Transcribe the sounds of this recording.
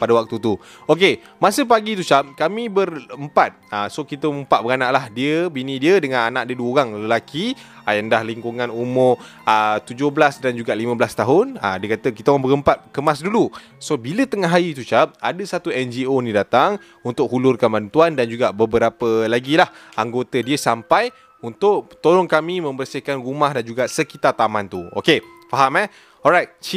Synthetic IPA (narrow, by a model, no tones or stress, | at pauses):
padəwak̚t̪ut̪u | oke | masəp̬aɡit̪̬ut͡ʃap̚kamĩbərəmpat̪̚asokit̪əməmpat̪ʔ̚bəɾanaʔlahdiəbinĩdiədəŋananaʔ̚diəduəoɾaŋləlaki | ajandahliŋkuŋãnumʊr | ət̪ud͡ʒʊhbəlasdand͡ʒuɡaʔlimə̃bəlast̪aɦʊnə̰diəkat̪əkit̪əabəɾəmpat̪̚kəmasdulu | sobilət̪əŋaɦajit̪ut͡ʃap̚adəsat̪uɛnd͡ʒionĩdat̪aŋ | unt̪ʊk̚ɦulʊrkanbant̪uandand͡ʒuɡabəbəɾapəlaɡilahaŋɡot̪ədiəsampaj | unt̪ʊk̚t̪oɾʊŋkamĩmə̃mbərsihkanrumahdand͡ʒuɡasəkit̪art̪amãnt̪uo̰ke | faɦamɛ | ɔlɾajt̪̚t͡ʃi